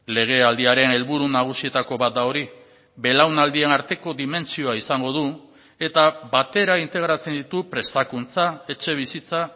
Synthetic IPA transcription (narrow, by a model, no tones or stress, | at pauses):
le̞ɣ̞e̞ald̪iaɾe̞ne̞lβuɾunaɣ̞usie̞t̪ako̞βat̪̚d̪ao̞ɾi | βe̞lawnald̪ie̞naɾt̪e̞ko̞ðime̞nt͡sio̞aisaŋɡo̞ðu | e̞t̪abat̪e̞ɾaint̪e̞ɣɾat͡se̞nd̪it̪upɾe̞st̪akunt͡sae̞t͡ʃe̞β̞isit͡sa